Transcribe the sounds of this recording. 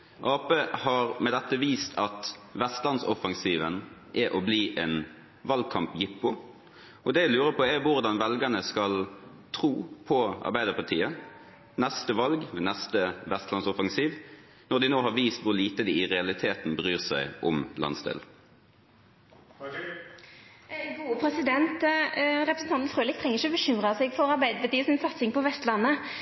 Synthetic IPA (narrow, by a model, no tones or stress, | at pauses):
ʔɑːpeːhɑʁmɛd̪ɛt̪ːəʋiːst̪ʰɑt̪ʋɛst̪lɑnsɔfɑŋsiːʋənʔæʔɔbliːʔɛːn | ʋɑlɡ̚kʰɑmpjɪpːʊ | ʔɔd̪ɛɪlʉːɾəpʰɔɛʋʊʁd̪ɑnʋɛlɡənəskɑl | t̪ʰɾuːpʰɔɑ̰ɾbæɪd̪əɾpɑt̪ʰiːə | nɛst̪əʋɑlɡmɛːnɛst̪əʋɛst̪lɑnsɔfɑŋsiːʋ | nɔʁd̪ɪnoːɦɑɾʋiːst̪ʋʊʁliːt̪əd̪ɪɪʁɛɑlɪt̪ʰeːt̪n̩bəʁyːʁsæɪʊmlɑ̰nsd̪ḛːl | ɡuːpʰɾɛsɪd̪ɛnt̪ʁɛpɾəsn̩ɑnt̪fʁøːlɪkt̪ʰʁɛŋəɪçəɔbəʃʏmʁɑsɛɡfɔɾɑɾbæɪd̪əpɑt̪iːəsɪnsɑt̪sɪŋpɔʋɛst̪lɑnːə